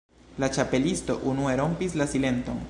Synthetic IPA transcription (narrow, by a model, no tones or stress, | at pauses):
lat͡ʃape̞listo̞ʔunue̞ɾo̞mpislasile̞nto̞̰n